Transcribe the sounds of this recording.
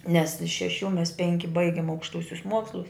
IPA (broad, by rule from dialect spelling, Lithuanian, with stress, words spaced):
nʲɛs ɪʃ ʃʲɛˈʃʲuː mʲɛs ˈpʲɛŋʲkʲɪ ˈbɐɪɡʲɪm ɐʊkʃˈtuɔsʲʊs ˈmuɔkslˠʊs